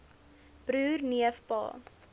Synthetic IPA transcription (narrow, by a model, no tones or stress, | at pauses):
b̥ɾuːrniəfpɑ̰ː